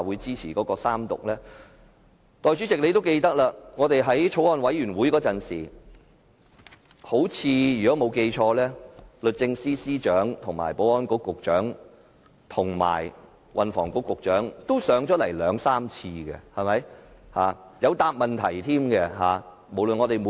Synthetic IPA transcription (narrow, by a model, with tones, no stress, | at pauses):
wuː˨˧jt͡siː˥t͡sʰiː˨˩kɔː˨˧˥kɔː˧saː˥mt̪ʊ̰˨k̚lɛː˥ | t̪ɔː˨˩jt͡ʃyː˨˥t͡sɪ˨k̚le˨˧jt̪o˥wke˧jt̪ɐ˥k̚laː˧ŋɔː˨˧t̪e˨jɦɐ˨˥jt͡ʃʰo˨˥wɔː˧nwɐ˨˥jyː˨˩nwu˨˥jkɔː˨˧˥t͡sɐ˨nsiː˨˩ | ho˨˥wt͡sʰiː˨˧jy˨˩kɔ˨˥mo˨˧wke˧jt͡ʃʰɔː˧lɛː˥lɵ˨t̚t͡sɪ˧ŋsiː˥siː˥t͡ʃœː˨˥ŋt̪ʰʊ˨˩ŋma̰ː˨˩jpo˨˥wɔː˥nkʊ˧˥kːʊ˨k̚t͡ʃœː˨˥ŋ | t̪ʰʊ˨˩ŋma̰ː˨˩j | wʔɐ˨nfɔː˨˩ŋkʊ˧˥kːʊ˨k̚t͡ʃœː˨˥ŋt̪o˥wsœː˨˥ŋt͡ʃɔː˨˥lɐ˨˩jlœː˨˧ŋsaː˥mt͡sʰiː˧ɡɛ̰˧hɐ˨˩mɐ˨˥jhaː˨˧ | jɐ˨˧wt̪aː˨p̚mɐ˨˩nt̪ʰɐ˨˩jt̪ʰiː˥mɡɛ˧ɦaː˨˧ | mo˨˩wlɵ˨nŋɔː˨˧t̪e˨jmo˨˦